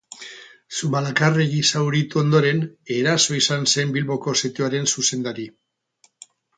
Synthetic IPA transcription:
sumalakare̞ɣisawɾit̪uo̞nd̪o̞ɾe̞ne̞ɾaso̞isanse̞mbilβo̞ko̞set̪ioaɾe̞nsuse̞nd̪aɾi

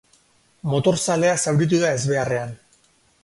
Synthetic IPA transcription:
mo̞t̪o̞ɾsale̞asawɾit̪̬uðae̞zβe̞are̞an

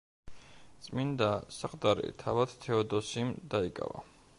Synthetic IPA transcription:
t̪sʼmind̪asaqʼd̪aɾɛ̰t̪ʰavad̪̥t̪ʰɛɔd̪ɔsimd̪aikʼa̰va̰

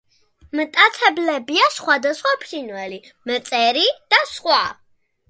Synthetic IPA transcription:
mt̪ʼat̪ʰɛblɛbiasχwad̪asχwapʰɾinwɛli | mət̪sʼɛɾid̪̥asχwa

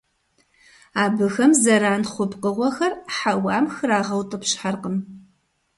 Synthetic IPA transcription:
aːbɨxɐmzɐɾaːnχʷʊpqəʁʷɔxɐrħawɑːmxɨɾaːʁɐwtʼəpɕħarqəm

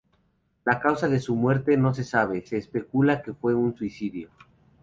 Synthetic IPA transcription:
lakawsaðe̞sumwe̞ɾt̪e̞no̞s̬e̞saβ̞e̞se̞ːspe̞kulake̞fwe̞unswisiðjo

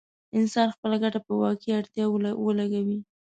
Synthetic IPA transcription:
ɪnsɑnxpəlaɡaʈapəwɑkiaɽt̪jɑwəlaɡawi

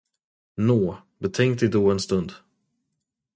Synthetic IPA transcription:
noː | bɛt̪ʰɛŋkt̪ɪd̪oːɛnst̪ɵnd̪

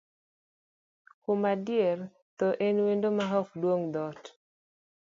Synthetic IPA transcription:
kʊmadɪer | t̪ɔʔenwendomaɦɔkdwoŋd̪ɔt

